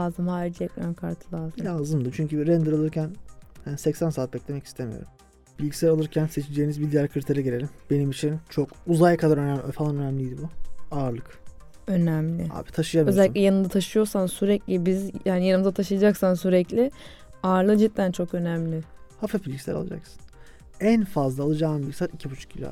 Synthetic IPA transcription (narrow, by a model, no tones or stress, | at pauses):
aːzɯmhaːɾiɾd͡ʒijɛclʲankʰaɾt̪ʰɯlˠaːzɯmjaːzɯmd̪ɯt͡ʃʰyɲcyɾɛnd̪ɯɾalˠɯɾcʰænhænisɛcsænsaːt̪̚bɛclʲemɛci̥st̪ʰemḭjo̰ɾum | bilʲɟisæɾalˠɯɾcʰænse̞t͡ʃʰid͡ʒejinizbid̪ijæɾkʰɯɾt̪ʰeɾɛɟelʲelʲimbe̞nimit͡ʃʰint͡ʃʰo̞kuzajkʰad̪aɾønæmfalˠanø̞næmlʲijd̪ibuaːɾlˠɯk | ø̞næmlʲɪ̰ha̰ːbit̪ʰaʃɯjamøzɛlʲicʲlʲjanɯnd̪at̪ʰaʃɯjo̞ɾsansyɾɛclʲɪbizjaːnijanɯmɯzat̪ʰaʃɯjad͡ʒaksansyɾɛclʲɪ | aːɾlˠɯd͡ʒit̪̚ːænt͡ʃʰo̞kø̞næmlʲɪhafabilʲɟisæ̰ɾa̰lˠa̰d͡ʒa̰ksɯ̥n | ænfazlˠaːlˠɯd͡ʒaːnɯbilʲɟisaːt̪icʰibut͡ʃʰu̥k̚ʰːilʲa̰